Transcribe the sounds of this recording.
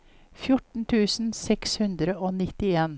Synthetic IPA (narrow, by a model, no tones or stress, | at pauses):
fjʊʈɳ̩t̪ʰʉːsn̩sɛkshʉnd̪ɾəoːnɪt̪ɪeːn